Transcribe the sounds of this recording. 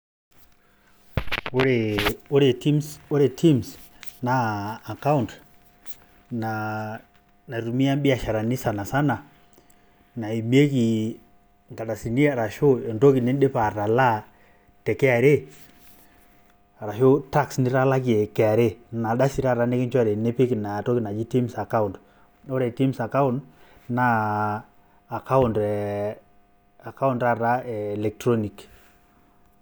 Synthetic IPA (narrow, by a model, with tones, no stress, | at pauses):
wo˦ɾe˨o˦ɾe˨ti˦mswo˦ɾe˨ti˦ms | naː˨ka˦u˨nt | na˨ | na˨ɾu˨mi˦a˦mbi˦a˨ʃa˨ɾa˨ni˦sa˨na˨sa˦na˨ | na˨i˨mi˦e˦ki˨ | ŋɡa˨ɗa˨si˨ni˦a˨ɾa˨ʃo˦ɔ˨ndo˦ki˨nɛ˦ɗe˦pa˨ɾa˨la˦ | tɛ˨kɛ˦a˨ɾe˦ | a˨ɾa˨ʃo˦ta˦ksnɪ˦ɾa˦la˦ki˨ɛ˨kɛ˨a˨ɾe˦na˨da˦si˨ɾa˦ɾa˦ne˦kɪ˦nt͡ʃɔ˦ɾɛ˨ne˦pe˦ki˨na˨tɔ˦ki˨na˨d͡ʒi˦ti˦msa˨ka˦ʊ˨nd | ɔ˦ɾɛ˨ti˦msa˨ka˦ʊ˦nd | na˦˨ | ka˦ʊ˨ndɛ˨ | a˨ka˦ʊ˦nda˦ra˦ɛː˨lɛ˨k̚tɾɔ˦ni˨k